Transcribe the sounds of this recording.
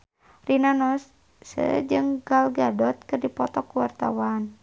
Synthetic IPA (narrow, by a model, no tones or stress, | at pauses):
rinanɔs | sə̰d͡ʒɨŋɡalɡadɔt̪̚kɨrdipɔt̪ɔkuwart̪a̰wan